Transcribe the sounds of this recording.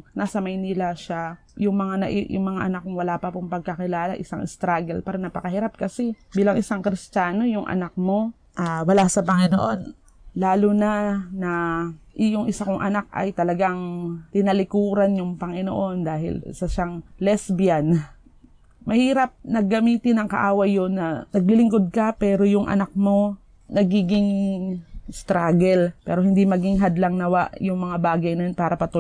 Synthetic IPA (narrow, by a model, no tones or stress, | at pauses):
nasɐmɐjnilaʃa | jʊŋmɐŋanɐ̰ʔjʊ̰ŋmɐŋaʔɐnak̚ːʊŋwɐlaːpɐpʊŋpɐɡ̚kɐkɪlaːla̰ʔɪsaŋʔɪst̪ɾaɡɛlpaːɾɐnɐpɐkɐhiɾap̚kɐsɛbiːlɐŋʔɪsaŋkɾɪst͡ʃaːno̞jʊŋʔɐ̰nak̚mo̞ | ʔaːwɐlasɐpɐŋɪno̰ʔo̞n | laːlonɐnɐʔɪjʊŋʔɪsakʊŋʔɐ̰nak̚ʔɐ̰jt̪ɐlɐɡaŋt̪ɪnɐlɪkuːɾɐnjʊŋpɐŋɪno̰ʔo̞nd̪aːhɪ̰lsɐʃaŋlɛsbɪjan | mɐhiːɾɐp̚nɐɡɐmiːt̪ɪnɐŋkɐ̰ʔaːwɐjːonːɐnɐɡlɪlɪŋko̞d̪̚kɐpɛːɾo̞jʊŋʔɐ̰nak̚mo̞ | nɐɡiːɡɪŋ | st̪ɾaɡɛlpɛ̰ːɾohɪnd̪imɐɡiŋɦɐd̪laŋnɐwaʔjʊŋmɐŋabaːɡɐjnɐjonpaːɾɐpɐt̪ʊ